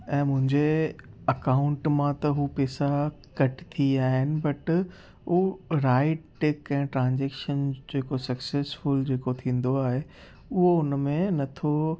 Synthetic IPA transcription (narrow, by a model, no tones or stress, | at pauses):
ɛ̃ːmʊ̃ɦɪ̃ɲd͡ʑeɐkaːʊ̃ɳʈmãt̪ɐɦupɛːsa | kɐʈɪ̥t̪ʰiaːɦɪnɪ̆bɐʈ | uɾaːɪʈːʈeːkɛ̃ːʈɾãːɲd͡ʑeːkʃənd͡ʑeːkosɐkseːsfʊld͡ʑeːkot̪ʰĩːn̆d̪oaːɦe | ʊɦoʊnmẽnɐt̪ʰo